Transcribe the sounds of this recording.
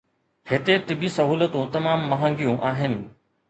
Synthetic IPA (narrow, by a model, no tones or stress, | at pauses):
hɪt̪eʈɪbisɐɦuːlət̪ũt̪ɐmaːmːɐɦə̃ŋɡijõʔaːɦɪnɪ̆